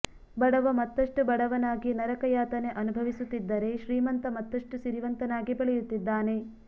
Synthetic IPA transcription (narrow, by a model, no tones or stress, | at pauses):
bɐɽɐʋɐmɐt̪ːɐʂʈubɐɽɐʋɐnaːɡinɐɾɐkɐjaːt̪ɐne̞ʔɐnubʱɐʋisut̪ːid̪ːɐɾe̞ʃɾiːmɐnt̪ɐmɐt̪ːɐʂʈuʃiɾʋɐnt̪ɐnaːɡibɐɭɛjut̪ːid̪ːaːne̞